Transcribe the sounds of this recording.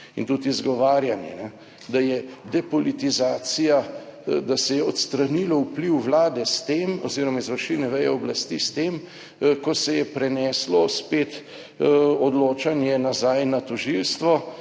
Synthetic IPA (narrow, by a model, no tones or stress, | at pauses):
ḭnt̪ut̪izɡɔʋaːɾjanjɛ̰nɛ | d̪ajɛd̪ɛpɔlit̪izaːsijad̪asɛjɛɔt̪st̪ɾanilɔupliwʋlaːd̪ɛst̪eːmɔziːɾɔmaizʋəɾʃinɛʋɛjɛɔblast̪ist̪eːm | kɔsɛjɛpɾɛnɛslɔspeːt̪ | ɔd̪loːt͡ʃanjɛnazajnat̪ɔʒilst̪ʋɔ